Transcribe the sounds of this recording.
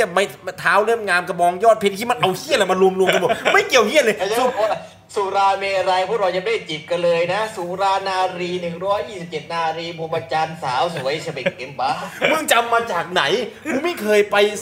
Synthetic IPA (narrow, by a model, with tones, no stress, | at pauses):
ma˧˩t̪ʰaː˦˥wle˥˩mŋaː˧mka˧˩bɔː˧ŋjɔː˥˩t̪̚pʰe˧n̚k̪ʰiː˧˥˩ma˧nʔa˧whi˥˩˨nla˨˧˩ma˧lu˧mlu˧mt̪a˧bo˨˩ma˥˩jki˨˩əwhi˧˥˩ənlɤː˧j | suː˨˩˦ɾaː˧meː˧ɾa˧jpʰuː˧˥˩ɾaː˧ja˨˩da˥˩jt͡ɕi˨˩p̚ka˧nlɤː˧jna˦˥suː˨˩˦ɾaː˧naː˧ɾiː˧nɯ˨˩ŋɾɔː˦˥jːiː˥˩si˨˩p̚t͡ɕe˨˩t̪̚naː˧ɾiː˧pʰo˧˦ma˧t͡ɕaː˧nsaː˩˦wsu˨˦jsʰa˧be˨˩ŋki˧mpa˧mɯ˧˥˨ŋt͡ɕa˧mːaː˧t͡ɕaː˨˩k̚na˩˦jpʰuː˧˦ma˥˩jkʰɤː˧jpa˧j